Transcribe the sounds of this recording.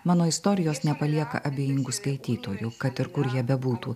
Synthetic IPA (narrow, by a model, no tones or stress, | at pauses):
mɑːnoːɪst̪oːɾʲɪjoːsnʲɛpɐlʲiɛkɐ̰ʔɐbʲeːjɪŋɡʊskɐɪt̪ʲiːt̪oːjʊkɐt̪ɪɾkʊɾjiɛbʲɛbuːt̪ṵː